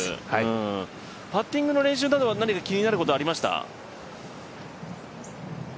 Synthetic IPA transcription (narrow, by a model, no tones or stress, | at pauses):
ã | pat̪ʲːĩŋɡɯ̟no̞ɾẽ̞ɕ̬ɨːnad̪oβanaɲ̟ikakʲiɲ̟inaɾɯ̟ko̞t̪o̞aɾʲimaɕi̥t̪a̰